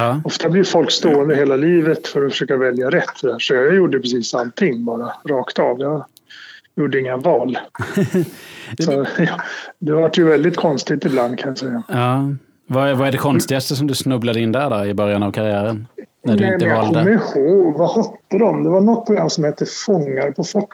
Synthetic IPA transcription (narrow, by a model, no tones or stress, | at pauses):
ɑɔft̪ablɪɾfɔlkst̪oːənd̪əɾheːlaliːvət̪fœɾɔfœʂøːkavɛljaɾɛt̪ʰːd̪æːɾʂɔjjuɖəpɾɛsiːsalt̪ʰɪŋːbɑːɾaɾɑːkt̪ɑvjɑ | juɖəɪŋːavɑːl | sɔjɑd̪ɛvaʈjɵvɛld̪ɪt̪kʰɔnst̪ɪt̪ɪbland̪kʰanjasɛjːaɑː | vavaæɖɛkʰɔnst̪ɪɡast̪əsɔmd̪ɵsnɵblad̪əɪnd̪æɖɔɪbœɾjanavkʰaɾɪæːɾən | næɖ̪ɪnməɛnjaɑːlk̪ɔd̪əmɛhoːɡvahɔt̪ːəd̪ɔmd̪ɛvanɔt̪̚ːpʰɾʊɡɾamːsɔmhɛt̪ːəfɔŋːaɾpʰɔfɔʈː